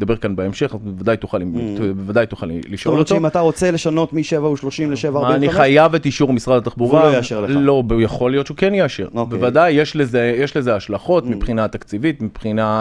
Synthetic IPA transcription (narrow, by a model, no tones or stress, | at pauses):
d̪abe̞ʁkanbeemʃe̞χbevad̪ajt̪uχalibevad̪ajt̪uχalliʃʔolot̪imat̪aʁo̞t͡seleʃano̞tmiʃevauʃloʃimleʃevaːʁaniχmχajavet̪iʃuʁmisʁad̪at̪aχbuʁalojaʃeʁelo̞bejaχo̞lijott͡ʃeukenjeaʃḛʁobevad̪ajːeʃlezejeʃle̞zeaʃlaχo̞t̪mipχinat̪akt͡sivit̪mipχina